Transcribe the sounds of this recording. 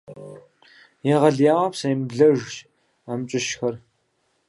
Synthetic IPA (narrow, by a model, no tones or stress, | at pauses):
jɛʁɐɮjaːwɐpsɐjmɮɐʒʒ | amt͡ʃʼɪʃxɐr